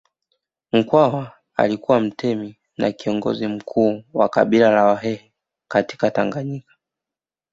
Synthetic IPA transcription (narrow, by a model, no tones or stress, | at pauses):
m̩kwawa | a̰likuwam̩tʰɛmi | na̰kiɔŋɡɔ̰zim̩kʰuːwa̰ka̰ɓilalawaɦɛhɛ | kati̥kataŋɡaɲikḁ